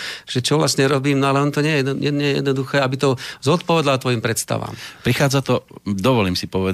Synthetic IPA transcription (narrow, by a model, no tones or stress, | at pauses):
fʃɛt͡ʃɔʋlastɲɛɾɔbiːmnɔalɛɔnɔt̪ɔɲɛjɛɛɲɛɲɛjɛjɛ̰d̪nɔd̪uxɛːabit̪ɔzɔt̪̚pɔʋɛd̪lat̪ʋɔjimpɾɛt̪st̪a̰ʋa̰ːmpɾixaːd͡zat̪ɔd̪ɔʋɔliːmsipɔʋɛ